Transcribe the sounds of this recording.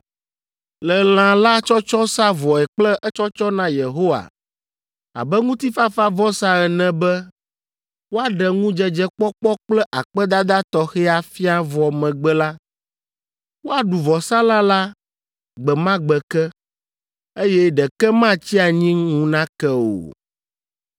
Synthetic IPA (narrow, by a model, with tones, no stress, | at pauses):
lɛ˨l̃ã˨la˦t͡ʃɔ˦t͡ʃɔ˦sa˦vɔ˨ɛ˨k͡plɛ˦ʔɛ˦t͡ʃɔ˦t͡ʃɔ˦nã˦je˨ɦo˦wa̰˨ | a̰˨bɛ˦ŋũ˦t̪i˦fa˦fa˦vɔ˦sa˦ɛ˨nɛ̃˦bɛ˦ | wo˦a˨ɖɛ˨ŋũ˦d͡ʒɛ˦d͡ʒɛ˦k͡pɔ˦k͡pɔ˦k͡plɛ˦ʔa˨k͡pɛ˦d̪a˦d̪a˦t̪ɔ˦xɛ˦a˨fi˦a˦vɔ˨mɛ̃˨ɡ͡bɛ˦la˦ | wo˦a˨ɖu˨vɔ˨sa˦lã˦la˦ | ɡ͡bɛ˨mã˦ɡ͡bɛ˨kɛ˦ | e˦jɛ˦ɖɛ˨kɛ˦mã˦t͡ɕi˦a˨ɲĩ˦ŋũ˦nã˦kɛ˦o̰˨